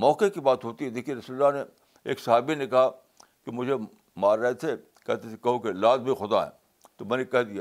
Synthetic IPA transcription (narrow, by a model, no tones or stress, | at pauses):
mɔːkekibaːt̪ɦoːt̪iɦɛd̪eːkʰieɾɐsuləlːane | ḛːksɐɦaːbinẽkɐɦa | kemʊd͡ʒʱe | maːɾːɐɦet̪ʰe | kɛ̰ɦt̪ʰet̪ʰekɐɦokelaːd̪̚bʱixʊd̪aɦɛ̰̃ː | t̪omɛ̃ːnekɛɦd̪ijaː